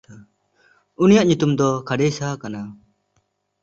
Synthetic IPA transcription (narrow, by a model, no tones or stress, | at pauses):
unijaʔɲut̪umd̪ɔkʰaɖesakana